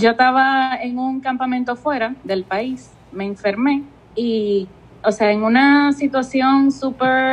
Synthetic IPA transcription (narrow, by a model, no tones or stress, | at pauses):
d͡ʒo̞t̪aβaeŋuŋkampamẽnt̪o̞fwe̞ɾaðe̞lpais | me̞ːɱfe̞ɾme̞ | i | oseaeŋunasit̪wasjo̞ŋsupeɾ